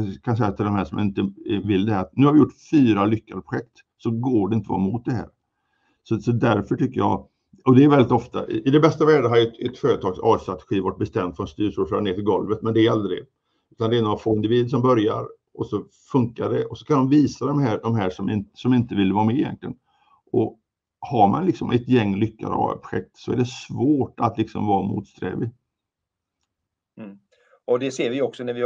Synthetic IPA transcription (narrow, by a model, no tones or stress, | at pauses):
kʰansɛjːat̪ʰɪld̪ɔmɦæːʂɔmja̰nɪnt̪əvɪld̪ɛhæɾat̪nʉːhaɾvɪjʊʈːfyːɾalʏkːad̪əpɾʊ̥ɧɛk̚t̪ | sɔɡoːɖɛɪnt̪əvɑ̰ːɾamʊt̪̚d̪ɛhæ̰ːɾ | sɔsɔd̪æɾfœʈʏkːəjɑ̰ | ɔd̪ɛːɾvɛlːɪt̪ɔft̪a̰ʔʔɪd̪ɛbɛst̪avæːɖaɦaɾjɛt̪ɛt̪føːɾət̪ʰɑːɡsɑ̰ːst̪ɾat̪ɛ̥ɧiːvaʈ̚bɛst̪ɛmːd̪fɾɔnst̪yːʂʊføːɾaneːfɪlɡɔlvət̪mɛnd̪ɛːɾald̪ɾɪ̰ɡ | ʉ̟ːt̪and̪ɛnɔafoːɪnd̪ɪviːd̪əʂ̬ɔmbœɾja̰ɾ | ʔɔsɔ | fɵŋkaɖɛʔɔsɔ̥kʰand̪ɔmviːsad̪ɔmɦæːɖ̪ɔmɦæːʂɔmɪnsɔmɪnt̪əvɪlːvɑːɾamɛɪjɛ̰nk̪lɪɡə̰n | ʔɔ | haɾma̰nlɪksɔmʔɛt̪jɛŋːlʏkːa̰d̪̰ɑ̰pɾʊ̥ɧɛ̰k̚t̪sɔæ̰ɖɛsvoːʈa̰t̪lɪksɔ̰mvɑːmṵːt̪st̪ɾɛ̰ːvɪ | ɔd̪ɛseːɾvɪɔksɔnævɪ